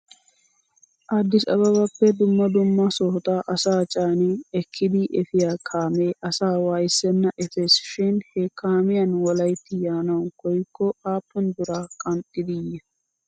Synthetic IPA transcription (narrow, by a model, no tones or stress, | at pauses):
ʔad̪ːɪsɐ̰βɐbɐpːɛd̪ʊmːɐd̪ʊmːɐsɔht̪aʔɐsaːt͡ʃʼaːnɪɛkʰːɪd̪ɪʔɛfɪjaːkʰaːmeːʔɐsaːwaːjɪsːɛnːɐʔɛfɛsɪ̥ʃɪnhɛkaːmɪjɐnwɔlɐjt̪ːɪjaːnɐwkɔjkːɔaːpːɔnd̪ʊɾaːkʼɐnt̪ʼːɪd̪ɪjɛ